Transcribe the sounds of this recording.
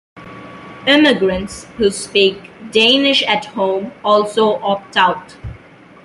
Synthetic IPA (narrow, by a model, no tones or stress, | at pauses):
ɪmɪɡɹə̃ntshuːspiːkdẽːnɪʃæthõːmɔːlsoːʔɔk̚taʊt